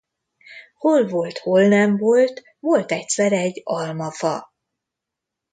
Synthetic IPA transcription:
ho̞lvo̞lt̪ho̞lnɛɱvo̞lt̪ | ʋo̞lt̪ɛcsɛɾɛɟːɒlmɒfɒ

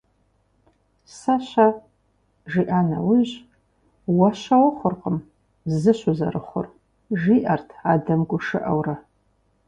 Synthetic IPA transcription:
saʃʷa | ʒiʔana̰wʊʑ | waʃʷawaχʷʊrqʼəm | zɨʃʊza̰ɾɨχʷʊ̰r | ʒiʔartʰadɐmɡʷʊʂɨ̰ʔawra

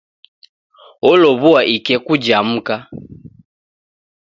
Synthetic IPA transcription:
ɔlɔβuaʔikɛkud͡ʒam̩ka

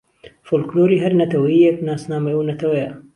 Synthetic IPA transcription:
folkloːɾiːɦɐɾnɐt̪ʰɐwɐiːjeknaːsnaːmejunɐt̪ʰɐwɛja

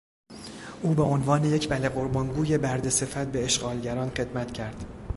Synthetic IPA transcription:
ʔuːbeʔo̞nvɒːne̞je̞cʰbæleɢo̞ɾbɒːŋɡuːje̞bæɾd̪e̞se̞fæt̪̚be̞eʃɢɒːlɟæɾɒːnχe̞d̪mæt̪cʰæɾd̪̥

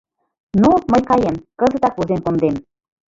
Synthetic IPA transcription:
noməjkɑjemkəzə̆t̪ɑkuzemkond̪em

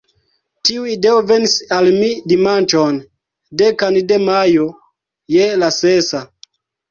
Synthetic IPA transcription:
tiuideovenisalmidimant͡ʃon | dekandemajo | jelasesa

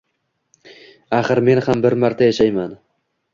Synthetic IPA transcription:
aχɨɾme̞nhambɪɾmaɾt̪ʰajaʃajman

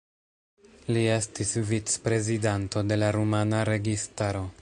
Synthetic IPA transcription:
lie̞stisvit͡spɾe̞zidanto̞de̞laɾumanaɾe̞ɡistaɾo̞

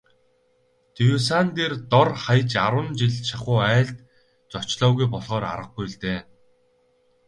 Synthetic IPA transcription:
t̪ijus̬aːnt̪ert̪ɔrχajt͡ɕaɾwə̆nt͡ɕiɮt͡ɕʰaχʊːæːɮt̪ | t͡sɔt͡ɕɮɔːɣujpɔɮʁɔːɾa̰ɾə̆q̚ɡujɮt̪eː

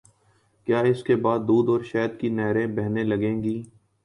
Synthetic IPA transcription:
kjaːɪskebaːd̪ːuːd̪ɔːɾʃɛːd̪kinɛːɾẽbɛɦnelɐɡẽːŋɡiː

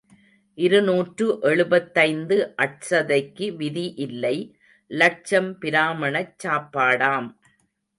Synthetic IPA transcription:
ʔɪɾɯnuːʈrɯʔɛɭɯbɐt̪ːɐɪnd̪ɯʔɐʈ̚sɐðɐɪkːɯʋɪðiʔɪlːɐɪ | lɐʈ̚t͡ʃɐmpɪɾaːmɐɳɐt͡ʃːaːpːaːɽaːm

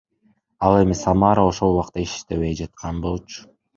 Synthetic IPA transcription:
ɑlˠe̞misamɑɾao̞ʃo̞lˠuwɑq̚t̪ɑiʃi̥ʃt̪e̞βe̞jd͡ʒɑt̪̚qʰɑnbo̞lˠt͡ʃʊ̥

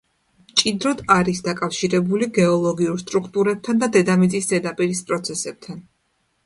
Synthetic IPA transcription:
mt͡ʃʼid̪ɾɔd̪aɾisd̪akʼafʃiɾɛbuliɡɛɔlˠɔɡiuɾst̪ʼɾukʰt̪ʼuɾɛb̚t̪ʰand̪ad̪ɛd̪amit̪sʼisd̪ɛd̪apʼiɾispʼɾɔt̪sʰɛsɛb̚t̪ʰan

